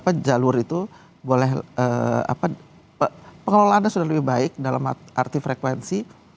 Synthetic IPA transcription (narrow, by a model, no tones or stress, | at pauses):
apad͡ʒalʊrit̪u | bolɛhəa̰pa | əpəŋəlolaanɲasudahləbihbaɪk̚dalamʔa̰rt̪ifɾekwɛnsi